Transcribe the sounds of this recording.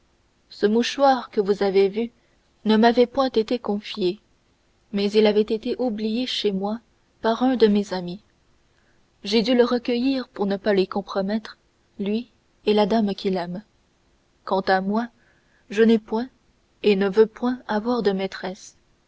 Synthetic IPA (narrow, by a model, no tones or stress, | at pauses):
səmuʃwaʁkəvuzavevy | nəmavɛpwɛ̃t̪et̪ekɔ̃fje | mɛzilavɛt̪et̪eʔublijeʃemwa | paʁœ̃d̪əmezami | ʒed̪yləʁəkəjiʁpuʁnəpalɥikɔ̃pχɔmɛt̪χ | lɥi | elad̪amkʲilɛm | kɑ̃t̪amwa | ʒənɛpwɛ̃ | enəvøpwɛ̃avwaʁd̪əmɛt̪χɛs